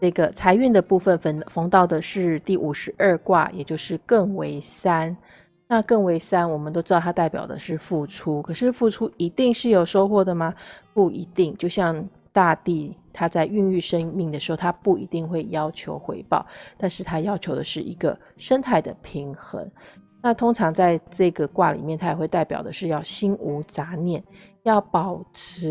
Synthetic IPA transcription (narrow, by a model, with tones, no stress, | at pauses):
ʈ͡ʂɤ˥˩ɡə˩t͡sʰa˧˥ɪy˥˩nd̪ə˩pu˥˩fə˩n˧fɑ˧˥ŋt̪ɑ˥˩ʊd̪ə˩ʂɻ̩˥˧t̪i˥˩ʔu˨˩ʂɻ̩˧˥ʔə˞˥˧kwa̰˥˩jɛ̰˨˩t͡ɕjo˥˧ʊʂɻ̩˥˧kɤ˥˩ŋwe˧˥ɪsa˥n | na˥˧kɤ˥˩ŋwe˧˥ɪsa˥nwɔ˨˩mə˦t̪o˥ʊʈ͡ʂɻ̩˥ɑ˥˧˩t̪ʰa˥t̪a˥˩ɪpjɑ̰˨˩ʊd̪ə̰˦ʂɻ̩˥˧fu˥˩ʈ͡ʂʰu˥kʰɤ˨˩ʂɻ̩˥˧fu˥˩ʈ͡ʂʰu˥i˧˥t̪i˥˧ŋʂɻ̩˥˩jo˨˩ʊʂo˥ʊxwɔ˥˩d̪ə˩mɐ˩pu˥˩i˧˥t̪i˥˧ŋt͡ɕjo˥˧ʊɕjɑ˥˧ŋ | t̪a˥˧t̪i˥˩t̪ʰa˥t͡sa˥˧ɪy˥˧ŋy˥˩ʂə˥ŋmi˥˩ŋd̪ə˩ʂɻ̩˧˥xo˥˩t̪ʰa˥pu˥˩ḭ˧˥t̪i˥˧ŋxwe˥˩ɪjɑ˥ʊt͡ɕʰjo˧˥ʊxwḛ˧˥ɪpɑ̰˥˩ʊt̪a˥˧nʂɻ̩˥˩t̪ʰa˥jɑ˥ʊt͡ɕʰjo˧˥ʊd̪ə˧ʂɻ̩˥˩ʔi˧˥ɡə˧ | ʂə˥nt̪ʰa˥˩ɪd̪ə̰˩pʰi˧˥ŋxə̰˧˥ŋ | na˥˩t̪ʰo˥ŋʈ͡ʂʰɑ˧˥ŋt͡sa˥˧ɪʈ͡ʂɤ˥˩ɡə˩kwa̰˥˩li˨˩mjɛ˥˩˧nt̪ʰa˥jwe˧ɪt̪a˥˩ɪpjɑ̰˨˩ʊd̪ə˦ʂɻ̩˥˧jɑ˥˩ʊɕi˥nu˧˥t͡sa˧˥njɛ˥˩n | jɑ˥˩ʊpɑ˨˩ʊʈ͡ʂʰɻ̩˧˥